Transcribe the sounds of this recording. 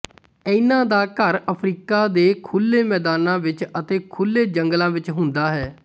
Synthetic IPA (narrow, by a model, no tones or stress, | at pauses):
əɪnãːd̪aːkəɾəpʰɾiːkaːd̪eːkʰʊlːeːmɛːd̪aːnãːʋɪt͡ʃət̪eːkʰʊlːeːd͡ʒəŋɡlãːʋɪt͡ʃɦʊnd̪aːɦɛː